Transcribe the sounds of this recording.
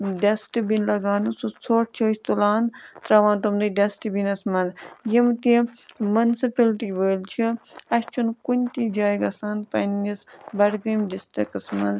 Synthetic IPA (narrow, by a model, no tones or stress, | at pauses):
ɖesʈbinlɐɡaːnususʰoːʈ̚t͡ʃʰɐːt͡ʃt̪ulaːnt̪ɾɐʋaːnt̪umd̪iɖɐsʈbinɐsmɐnd̪jimt̪imɐnsipɐlʈiːʋəːlt͡ʃʰiɐst͡ʃʰunkunʲt̪id͡ʒaːjɡɐsaːnpɐnːisbɐɽɡimɖisʈikɐsmɐnd̪